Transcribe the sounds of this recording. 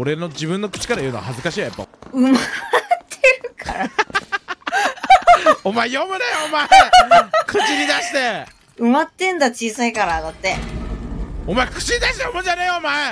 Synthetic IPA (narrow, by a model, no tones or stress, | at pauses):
o̞ɾe̞no̞d͡ʑibɯ̟̃nːo̞kɯ̟̥t͡ɕi̥kaɾajɯ̟noa̰hazɨkaɕiːaja̰pːa̰ɯ̟mat̪ʰːeɾɯ̟kʰaɾa | omaejomɯnaomae | kɯ̟t͡ɕiɾʲid̪aɕi̥t̪e | ɯ̟mat̪ːẽ̞nd̪at͡ɕiːsaikaɾad̪at̪ːe̞ | omaekɯ̟̥t͡ɕiɲʲid̪aɕit̪ejomɯ̃d͡ʑaneomae